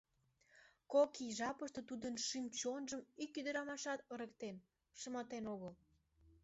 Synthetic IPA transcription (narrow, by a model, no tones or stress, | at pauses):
kokiʒɑpəʃt̪ət̪ud̪ənʃimt͡ɕonʒəmykyd̪əɾɑmɑʃɑt̪əɾəkt̪en | ʃəmɑt̪enoɣəl